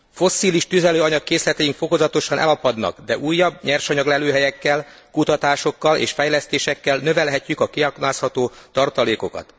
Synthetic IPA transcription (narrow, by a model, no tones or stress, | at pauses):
fo̞sːiːliʃt̪yzɛløːɒɲɒkːeːslɛt̪ɛjiŋkfo̞ko̞zɒt̪o̞ʃɒnʔɛ̰lɒpɒd̪nɒ̰kd̪ɛʔuːjːɒbːɲɛrʃɒɲɒɡlɛløːɦɛjɛkːɛlkut̪ɒt̪aːʃo̞kːɒlḛːʃfɛjlɛst̪eːʃɛkːɛlnø̞vɛlɦɛcːykɒkiɒknaːshɒt̪oːt̪ɒrt̪ɒleːko̞kɒ̰t̪